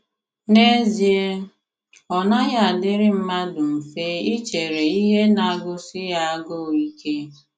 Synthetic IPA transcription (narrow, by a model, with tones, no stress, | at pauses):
ne˦zi˨e˦ | ɔ˨na˦ɣa˦a˨dɪ˦ɾɪ˦m̩˦ma˦dʊ˨m̩˨fe˦i˦t͡ʃe˨ɾe˨i˦ɦe˦na˨˦ɡʊ˦sɪ˦ja˦a˦ɡo˦˨i˦ke˦